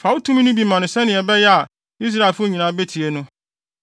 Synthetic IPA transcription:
fa˨wʊ˦tʰũ˦m̃˦nʊ̃˦bi˨mã˨nʊ̃˨sɛ˦nɪ̃˨ɛ˨bɛ˦jɛ˦a˨ | i˦s̬ɾa˦˨e˨lfʊ˦˨ɲĩ˨nã˨˦be˦tʰi˨e˦nʊ̃˦

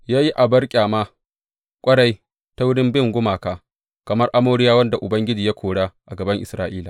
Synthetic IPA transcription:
jaː˦ji˦ʔa˨bɐ˦rkʲʼaː˨maː˦ | kʷʼɐ˦ɽa˦˨j | ta˦wʊ˦ɽɪ˦mbɪ˦ŋɡʷʊ˦maː˨kaː˦ | kɐ˨mɐ˦rʔa˦moː˦ɽɪ˦jaː˦wɐ˦nda˨ʔʊ˨bɐ˦ŋɡʲɪ˦d͡ʒiː˨ja˦kʷʰoː˨ɽaː˦ʔa˨ɡɐ˨bɐ˦ŋʔɪ̰˨sɾaː˦ʔiː˦laː˨

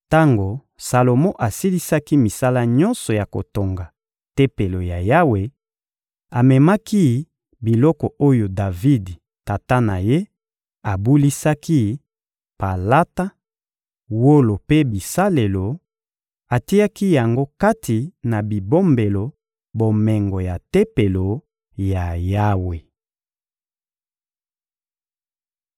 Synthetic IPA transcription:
ta˦ŋɡo˨ | sa˨lo˨mɔ˦ʔa˨si˦li˦sa˦ki˦mi˨sa˦la˦ɲɔ˦nsɔ˨ja˨ko̰˨to˨ŋɡa˨ | tɛ˦pe˨lo˨ja˨ja˦we˨ | a˨mɛ˨ma˦ki˦ | bi˨lɔ˦kɔ˨ʔo˦jo˨da˨vi˦d | ta˨ta˦na̰˨je˦ | a˨bu˦li˦sa˦ki˦ | pa˨la˦ta˦ | wo˦lo˨pe˦bi˨sa˦le˨lo˨ | a˨ti˦ja˦ki˦ja˨ŋɡo˦ka˦tʰi˨na˨bi˨bo˦mbe˨lo˨ | bo˨mɛ˨ŋɡo˨ja˨te˦pe˨lo˨ | ja˨ja˦we˨

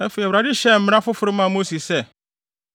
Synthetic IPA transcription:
ɛ˦fe˨ɛ˨wɾa˨dɪ˦ɕɛ˦˨m̩˦m̃˦ã˦fʊ˦fʊ˨ɾʊ˦mã˨mo˦si˨ssɛ˦˨

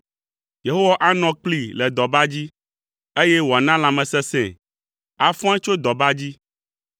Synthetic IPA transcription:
je˨ɦo˦wa˦ʔa˦nɔ̃˨k͡pli˦lɛ˨d̪ɔ˨ba˦d͡ʑi˦ | e˦jɛ˦wo˨a˨nã˦lã˨mɛ̃˨sɛ˦sɛ̰̃˨ | a˨fɔ̃˦ã˦t͡ʃo˦d̪ɔ˨ba˦d͡ʑi˦

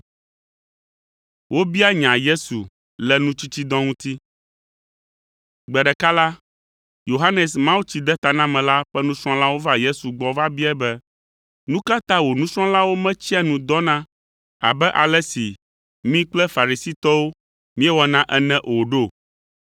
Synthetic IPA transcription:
wo˦bi˦a˦ɲã˨je˦su˨ | lɛ˨nũ˦t͡ɕi˦t͡ɕi˦d̪ɔ̃˦ŋũ˦t̪i˦ | ɡ͡bɛ˨ɖɛ˨ka˦la˦ | jo˨ɦa˦nɛ˨smã˦wu˦t͡ɕi˨d̪ɛ˦t̪a˨nã˦mɛ̃˨la˦ɸɛ˦nũ˦sɾ̃ɔ̃˦la˦wo˦va˦je˦su˨ɡ͡bɔ˨va˦bi˦ɛ˦bɛ˦ | nũ˦ka˦t̪a˦wo˨nũ˦sɾ̃ɔ̃˦la˦wo˦mɛ̃˦t͡ɕi˦a˦˨nũ˨d̪ɔ˦nã˦ | a̰˨bɛ˦ʔa˨lɛ˦si˨ | mĩ˦k͡plɛ˦fa˨ɾi˨si˦t̪ɔ˦wo˦ | mĩ˦ɛ˦wɔ˨nã˦ʔɛ˦nɛ̃˦ʔo˨ɖo˦˨

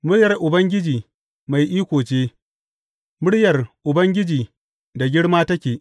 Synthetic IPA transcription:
mʊ˦ɽjɐ˨rʔʊ˨bɐ˦ŋɡʲɪ˦d͡ʒiː˨ | ma˨jʔiː˦kʷoː˨t͡ʃeː˦ | mʊ˦ɽjɐ˨rʔʊ˨bɐ˦ŋɡʲɪ˦d͡ʒiː˨ | da˨ɡʲɪ˦ɽmaː˦tɐ˦kʲeː˨ʔ

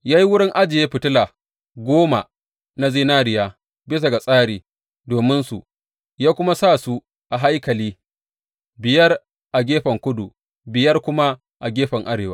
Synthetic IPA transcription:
jaː˦ji˦wʊ˦ɽɪ˦ŋʔa˦d͡ʒɪ˨je˦ɸɪ˨tʊ˦laː˨ | ɡʷoː˦ma˨ | na˦ziː˦naː˦ɽɪ˨jaː˦ | bɪ˦s̬a˨ɡa˨sʼaː˦ɽiː˨ | doː˨mɪ˦nsu˨ | jaː˦kʷʊ˦ma˦sa˦˨su˦ | ʔa˨ɦa˦jkɐ˨liː˦ | bɪ˨jɐ˦r | ʔa˨ɡʲeː˦ɸɐ˨ŋkʷʊ˦du˨ | bɪ˨jɐ˦rkʷʊ˦ma˦ | ʔa˨ɡʲeː˦ɸɐ˨ŋʔa˦ɽeː˨waː˦

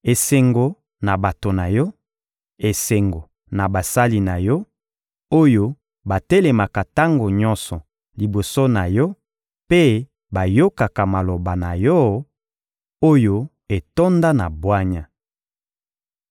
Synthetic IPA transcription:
e˨se˨ŋɡo˨ | na˨ba˨to˨na˨jɔ˦ | e˨se˨ŋɡo˨ | na˨ba˨sa˦li˨na˨jɔ˦ | o˦jo˦ | ba˨te˦le˨ma˨ka˨ta˦ŋɡo˨ɲɔ˦nsɔ˨ | li˨bo˨so˦na˨jɔ˦ | pe˦ | ba˨jo˦ka˨ka˨ma˨lo˨ba˨na˨jɔ˦ | o˦jo˦ | e˨to˦nda˦na˨bwa˦ɲa˨

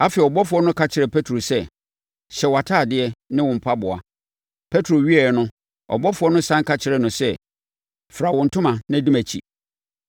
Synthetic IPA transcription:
a˦fi˨ɔ˨bɔ˦fʊ˨ɔ˦nʊ̃˦kʰa˨t͡ɕʰɪ˨ɾɛ˨pʰɛ˦tʰɾo˨sɛ˦ | ɕɛ˨wa˨tʰaː˦˨dɪ˦ɛ˦nɪ̃˦wʊ̃˨m̩˨pʰa˦bʊ˨a̰˨ | pʰɛ˦tʰɾo˨ɥi˦ɛ˨ɛ˨nʊ̃˦ | ɔ̰˨bɔ˦fʊ˨˦ɔ˦nʊ̃˦sã˦ŋkʰa˦t͡ɕʰɪ˨ɾɛ˦nʊ̃˨sɛ˦ | fɾa˨wʊ̃˨n̩˨tʰʊ̃˦mã˨nã˦di˦mæ˨t͡ɕʰḭ˨

